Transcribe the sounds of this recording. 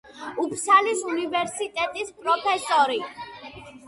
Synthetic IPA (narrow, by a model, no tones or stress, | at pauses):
upʰsalisunivɛɾsit̪ʼɛt̪ʼispʼɾɔpʰɛsɔɾi